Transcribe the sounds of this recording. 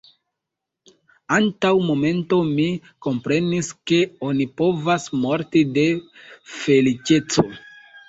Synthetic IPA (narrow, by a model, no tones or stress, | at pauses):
antawmo̞me̞nto̞miko̞mpɾe̞niske̞o̞nipo̞vasmo̞ɾtide̞fe̞lit͡ʃe̞t͡so̞